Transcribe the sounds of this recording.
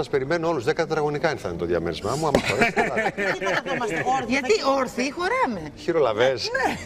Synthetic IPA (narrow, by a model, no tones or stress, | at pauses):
ɐspeɾime̞nuo̞luzðekɐt̪ɐt̪ɾɐɣo̞nikɐinθɐnt̪o̞ðjɐmḛɾizmɐmuɐmɐfoɾes | ʝɐt̪ioɾθixo̞ɾɐmeçiɾo̞lɐves